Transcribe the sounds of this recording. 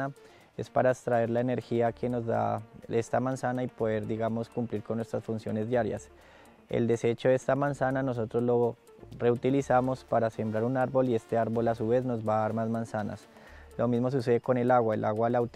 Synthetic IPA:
a | e̞̰spaɾast̪ɾae̞ɾlaene̞ɾxiakʰe̞no̞zd̪a̰e̞st̪amansanaipoðe̞ɾd̪iɣamo̞skumpliɾkonːwe̞st̪ɾasfunsjo̞ne̞zd̪jaɾja̰s | ḛld̪e̞se̞t͡ʃo̞ðest̪amansanano̞s̬o̞t̪ɾo̞zlo̞ | re̞ut̪ilisamo̞spaɾase̞mbɾaɾunaɾbo̞lie̞st̪e̞aɾβo̞las̬uβe̞zno̞zbaaɾmazmansana̰s | lo̞mizmo̞s̬us̬e̞ðe̞ko̞ne̞laɣwaelʔaɣwalawt̪

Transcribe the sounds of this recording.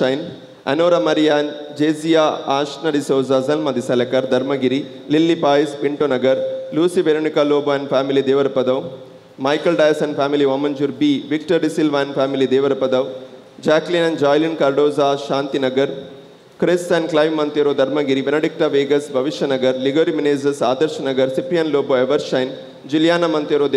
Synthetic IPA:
ɐjn | ɐ̰noːɾamɐɾijaːnd͡ʒeːzijaːaːʃnɐɖisoːzaːzɐlmɐd̪isɐlɐkɐɾd̪ʱɐɾmɐɡiɾi | lilːipaːjispiɳʈonɐɡɐɾluːsibeɾoɳikaːloːbaːnpʰaːmilid̪eːʋɐɾpɐd̪ɐʋ | mɐjkɐlɖɐjɐsɐnpʰaːmiliʋɐmɐnd͡ʒuɾbiːʋikʈɐɾɖisilʋaːnpʰaːmilid̪eːʋɐɾɐpɐd̪ɐʋ | d͡ʒaːklinɐnd͡ʒaːjlinkɐɾɖoːzaːʃaːnt̪inɐɡɐɾ | kɾist̪ɐnklɐjʋːɐnt̪eːɾoːd̪ʱɐɾmɐɡiɾibenɐɖik̚ʈɐʋeːɡɐsbʱɐʋiʃjɐnɐɡɐɾliɡoːɾimineːd͡ʒɐsaːd̪ɐɾʃɐnɐɡɐɾsipɾijɐnloːboːeʋɐɾʃɐjn | d͡ʒiljaːnɐmɐnt̪eːɾoː

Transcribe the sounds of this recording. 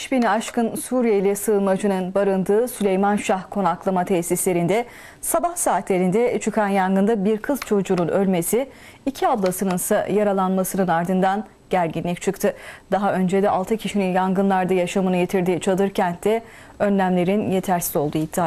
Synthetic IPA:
ʃbinaʃkɯnsuːɾijejlʲɛsɯːlˠmad͡ʒɯnɯnbaɾɯnd̪ɯːsylʲejmanʃahkʰo̞naklˠamat̪ʰɛsislʲe̞ɾind̪ɛ | sabahsaːt̪ʰlʲe̞ɾind̪ɛt͡ʃʰɯkʰanjanɡɯnd̪abiɾkʰɯz̥t͡ʃʰo̞d͡ʒununø̞lʲme̞siː | cʰiab̪lˠasɯnɯnsajaɾalˠanmasɯnɯnaɾd̪ɯnd̪an | ɟ̥æɾɟinlʲic̚t͡ʃʰɯkt̪ʰɯd̪̥aɦaʔø̞nd͡ʒed̪ɛʔalˠt̪ʰɯcʰiʃininjaŋɡɯnlˠaɾd̪ajaʃamɯnɯjet̪ʰiɾd̪iːt͡ʃʰalˠɯɾcʰænd̪ɛ | ø̞nlʲæmlʲe̞ɾinje̞t̪ʰæɾsi̥zo̞lˠd̪uːit̪ʰːia

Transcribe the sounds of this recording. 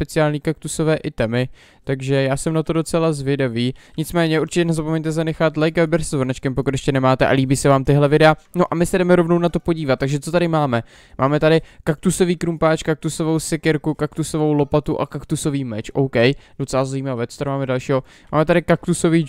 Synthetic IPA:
spɛt͡sɪaːlɲiːkak̚t̪uso̞vɛːʔɪt̪ɛmɪ | t̪aɡʒɛjaːsɛmnat̪odo̞t͡sɛlazvjɛdaviːɲɪt͡smɛːɲɛuɾt͡ʃɪcɛnɛzapo̞mɛɲt̪ɛzanɛxat̪lɛjkvɛbɛɾszvoɾnat͡ʃkɛmpokut̪jɛʃcɛnɛmaːt̪ɛʔa̰liːbiːsɛvaːmt̪ɪɦlɛvɪdɛano̞ʔamɪsɛdɛmɛɾo̞vno̞wnat̪o̞po̞ɟiːvat̪tːaɡʒɛt͡so̞t̪adɪmaːmɛ | mʔaːmɛt̪adɪkak̚t̪uso̞viːkɾumpaːt͡ʃkak̚t̪uso̞vo̞wsɪkɪɾkukakt̪uso̞vo̞wlo̞pat̪uʔa̰kakt̪uso̞viːmɛt͡ʃʔowkɛjd̥ot͡sɛlazaiːmavɛːst̪ɾmaːmɛdalʃiːɦo̞ | ma̰ːmɛt̪adɪkak̚t̪usoviː

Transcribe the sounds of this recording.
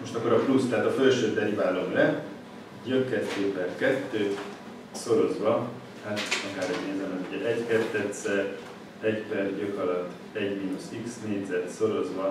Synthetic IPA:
mo̞ʃt̪ɒkːo̞ɾɒplust̪ɛɦaːt̪ɒfø̞lʃøːt̪ɛɾibaːlo̞mlɛ | ɟøkːɛt̪ːøːpɛrkɛt̪ːøː | so̞ɾo̞zvɒ | hat̪ɒkaːɾɛɟneːzɛmɛuɟɛʔɛɟkɛt̪ːɛt̪sɛr | ɛɟpɛrjøkɒlɒt̪ː | ɛɟmiːnusiksneːɟzɛt̪so̞ɾo̞zvɒ

